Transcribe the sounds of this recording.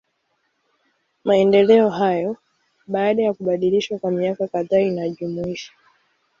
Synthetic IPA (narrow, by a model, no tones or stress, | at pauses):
maɛndɛlɛɔɦajɔ | ɓaːɗajakuɓaɗiliʃwakwamiakakaðaːinaʄumuiʃḁ